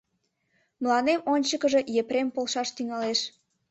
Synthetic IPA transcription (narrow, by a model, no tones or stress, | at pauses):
mlɑnemonʲt͡ɕəkəʒe̽jepɾempolʃɑʃt̪yŋɑleʃ